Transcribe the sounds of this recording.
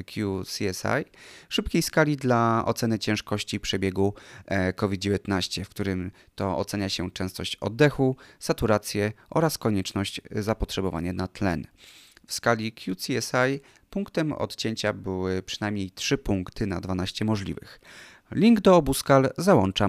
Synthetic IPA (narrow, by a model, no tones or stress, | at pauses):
kʲʰjusiɛsa̰jʂɘp̚kʲejskalʲid̪laʔɔ̰t̪sɛnɘt͡ɕɛ̃w̃ʂkɔɕt͡ɕipʂɛbʲjɛɡukɔvʲid̪̚d͡ʑevʲjɛt̪naɕt͡ɕɛfkt̪uɾɘm | t̪ɔɔ̰t̪sɛɲaɕɛt͡ʂɛ̃w̃st̪ɔɕt͡ɕɔ̰d̪ːɛxusat̪uɾat̪sʲjɛʔɔɾaskɔɲɛt͡ʂnɔɕt͡ɕzapɔtʂɛbɔva̰ɲɛnat̪lɛ̰nfskalʲikʲjusiɛsaj | puŋkt̪ɛmɔ̰t̪t͡ɕeɲt͡ɕabɘwɘpʂɘnajmɲejt̪ʂɘpuŋkt̪ɘna̰d̪vanaɕt͡ɕɛmɔʐlʲḭvɘ̰x | lʲiŋɡd̪ɔɔbuskalzawɔnt͡ʂa